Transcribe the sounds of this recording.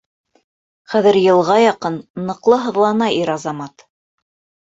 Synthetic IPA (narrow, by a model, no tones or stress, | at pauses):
χæðɘ̆ɾjɤ̆lˠʁɑjɑqɤnːɤ̆qlˠɤɦɤ̆ðlˠɑnɑiɾɑzɑmɑt̪